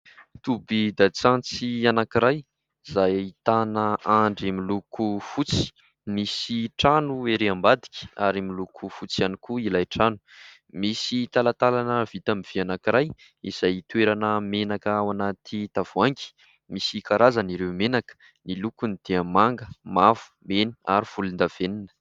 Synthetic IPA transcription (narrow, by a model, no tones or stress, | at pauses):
t̪ubid̪at͡sant͡sianakiɾaj | zajit̪anəaɳɖ͡ʐimilukʰufut͡si̥ | misiʈ͡ʂanueɾeambad̪i̥kʲi̥aɾimilukʰufut͡sianikuilajʈ͡ʂanu̥ | misit̪alat̪alanəvit̪amiv̥ianakiɾaj | ḭz̥ajit̪weɾanəmenakəwanat̪ʰit̪av̥uaŋki̥ | misikaɾʔazaniɾewmenakə̥ | nilukunid̪̥eəmaŋɡəmav̥u̥meni̥a̰ɾiv̥ulind̪av̥eninə̥